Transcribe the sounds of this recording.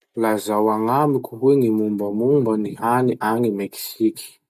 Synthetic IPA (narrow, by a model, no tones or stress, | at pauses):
lazawaŋamikʲuɦwenimumbəmumbənianiʔanimeki̥siki̥